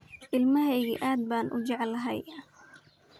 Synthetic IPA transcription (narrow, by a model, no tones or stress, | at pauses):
ʔɪlmɐɦɛjɣḭʔaːd̪̚baːnʔʊ̰d͡ʒɛʕlɐɦɛj